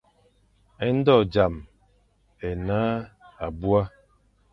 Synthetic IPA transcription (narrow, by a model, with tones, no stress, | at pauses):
ɛ˦n̩˦dɔ˦˨d͡ʒa˨m | ɛ˨naː˦a˨bu˦a˦